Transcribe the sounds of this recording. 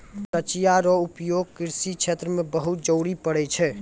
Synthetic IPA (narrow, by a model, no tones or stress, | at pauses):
sət͡ʃijaɾɔupjoɡ̚kiɾsikt͡ʃʰet̪ɾəmẽbəɦut̪̚d͡ʒəwɽipəɽɛt͡ʃʰɛ